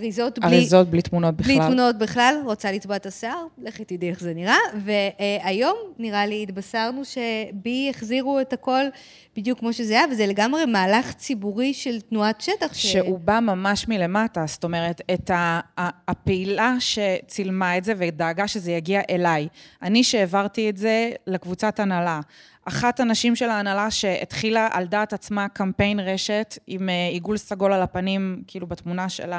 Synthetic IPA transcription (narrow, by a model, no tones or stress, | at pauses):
aʁizo̞tbaʁizo̞t̚blitmuno̞t̚bibliamuno̞t̚biχlalʁot͡salitbotaseaʁleχit̪idieχzeniʁave̞ajo̞mniʁaliːtbasaʁnuʃe̞bijeχziʁuetako̞l | bidjukːmoʃe̞zeajavezeleɡamʁe̞maːlaχt͡sibuʁiʃe̞ltnuatʃetaχʃʃeubamamaʃmile̞matasto̞me̞ʁetetaː | peilaʃe̞t͡silmaetze̞vedaːɡaʃe̞zejaɡiaʔelajaniʃeːvaʁtietze̞lekvut͡satanala | ʔaχatanaʃimʃelaːnalaʃe̞ḛtχilaʔaldaːtat͡smakampe̞jnʁe̞ʃe̞timeiɡulsaɡo̞lalapanimkiilubatmunaʃḛla